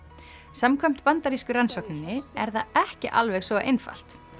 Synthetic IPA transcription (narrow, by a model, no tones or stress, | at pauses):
samkʰœm̥t̪pant̪aɾiskʏɾansɔwknɪnːɪɛɾθaɛhcɪʔa̰lvɛɣsvɔaʔejnfa̰l̥t̪